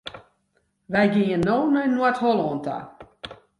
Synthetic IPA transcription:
ʋɛjɡiənːoːnəjnːwatholoːnta̰

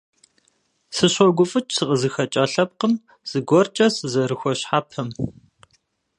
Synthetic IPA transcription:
sɨɕʷɔɡʷʊfʼɨt͡ʃʼsɨqʼəzɨxɐt͡ʃʼɐɬɐp̚qəm | z̥ɨɡʷɔrt͡ʃʼɐsɨzɐɾɨxʷɔɕħaːpʰɐm

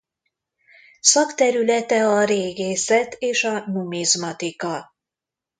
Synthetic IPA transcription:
sɒkt̪ɛɾylɛt̪ɛɒɾeːɡeːsɛt̪eːʃɒnumizmɒt̪ikɒ

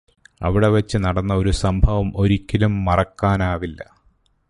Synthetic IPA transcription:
ɐ̰ʋiɽe̞ʋɐt͡ɕːɨnɐɽɐnːɐo̞ɾusɐmbʱɐʋɐmo̞ɾikʲːɐlumːɐrɐkːaːnaːʋilːɐ̰

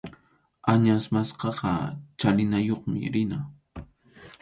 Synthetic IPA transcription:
aɲasmasqɑqɑt͡ʃalɪnajoχmɪ̰ɾɪna

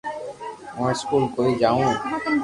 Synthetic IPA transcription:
mãːskuːlkoːiːd͡ʒaːũː

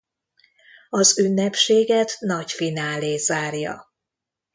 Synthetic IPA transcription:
ɒzynːɛpʃeːɡɛt̪nɒcfinaːleːzaːrjɒ̰

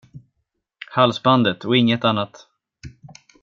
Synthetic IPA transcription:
halsband̪ət̪ʰɔɪŋːət̪anːat̪

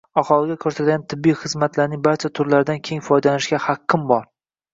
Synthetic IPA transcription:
aχɒlˠɪɡʲakʰɵɾsat̪ɡʲant̪ʰɪbːijχɨzmat̪ʰlaɾnɪŋbaɾt͡ʃʰat̪ʰʊɾlaɾɪd̪ankʲʰe̞ŋʲfɒjd̪alanɪʃɡʲahaqʰːɪmbɒɾ

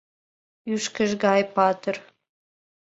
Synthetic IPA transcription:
yʃkəʒɡɑjpɑt̪ər

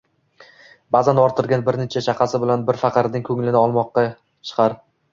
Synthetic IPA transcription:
bazanɒɾt̪ʰɪɾɡʲanbɪɾnet͡ʃʰat͡ʃʰaqʰɑsɪbɪlanbɪɾfɑqɑɾnɪŋkʰɵŋlɪnɪɒlˠmɒqːɑ | t͡ʃʰɨ̥qʰɑɾ

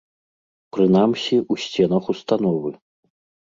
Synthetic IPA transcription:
pɾɨn̪amsʲiusʲt͡sʲɛn̪ɐxust̪anɔvɨ

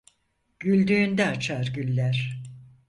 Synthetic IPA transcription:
ɟ̥ylʲd̪yːnd̪ɛat͡ʃʰaɾɟylʲːæɾ̥

